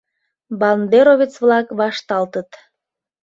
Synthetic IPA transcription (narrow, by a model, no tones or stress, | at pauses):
bɑlnd̪eɾovit͡sβlɑkβɑʃt̪ɑlt̪ət̪